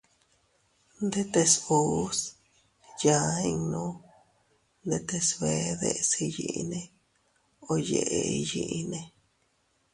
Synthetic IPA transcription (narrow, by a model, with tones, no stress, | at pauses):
nd̪e˦t̪e˧su˨˦s | ja˨˦i˧ŋnũ˦ | nd̪e˦t̪e˧sβe˧˦ðḛ˧si˧jḭ˧ʔi˧nẽ˧ | o˧je˧ʔe˧i˧ji˧ʔi˧nẽ˧